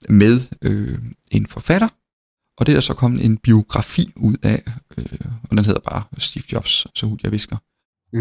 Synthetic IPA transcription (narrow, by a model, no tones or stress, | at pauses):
með̞ˠøe̝nfɒ̽fæɾ̥ɐ | ʔɒ̽d̥eɾ̥ɑsɒ̽kʰɒ̽m̰̩e̝nb̥io̝ɡ̥ʁɑ̈fḭːuð̞̰ˠæøɒ̽d̥enɦe̝ð̰ˠɐb̥ɑ̈ːsd̥ḭːfd̥ɒ̽b̥ssɒhud̥jɑ̈ɪʋe̝sɡ̥ɐ